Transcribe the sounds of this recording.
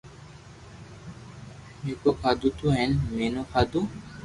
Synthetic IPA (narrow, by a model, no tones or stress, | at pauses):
mikokʰad̪ut̪uɦɛnmenokʰad̪u